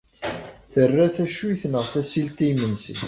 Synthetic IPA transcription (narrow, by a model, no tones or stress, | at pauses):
θərːæθæʃiθnəʁθæsilt̪imənsə̰n